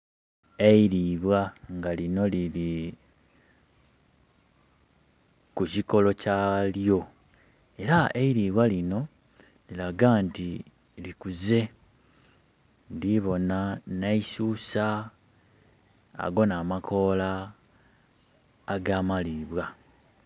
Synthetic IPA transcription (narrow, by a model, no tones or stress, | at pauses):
eiɾiβwaŋɡalino̞lili | kuciko̞lo̞caljo̞ | e̞ɾaeiɾiβwalino̞ | lilaɡanti | likuze̞ | ndiβo̞nanaisuːsa | ɡo̞naːmakʰo̞la | ɡaːmaliβwa